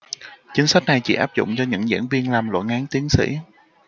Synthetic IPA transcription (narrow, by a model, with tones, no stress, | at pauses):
t͡ɕï˨˦ŋ̟sa˦˥k̟̚na˨˩jt͡ɕḭ˧˩˥ʔaː˦˥p̚zʊ̰˧˨ŋ͡mt͡ɕɔ˧ɲɨ̰˧˥ŋzḭ˧˥ənvi˧ənlaː˨˩mlo̰˧˨jŋaː˨˦ŋt̪i˨˦əŋsḭ˧˥